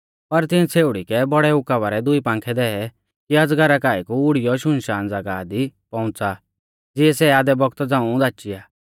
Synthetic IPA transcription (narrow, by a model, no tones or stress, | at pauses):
pɐɾt̪ɪ̃t͡sʰeːʊɽikɛbɔɽɛʊkaʋaːɾɛd̪ʊipãːŋkʰɛd̪ɛɛ | kiɐd͡zɡɐɾakaːikuʊɽɪjɔʃʊnʃaːnd͡zaɡaːd̪ipɔ̃ʊ̃t͡sa | d͡zɪɛsɛaːd̪ɛbɔɡt̪d͡zãːũd̪aːt͡ʃijaː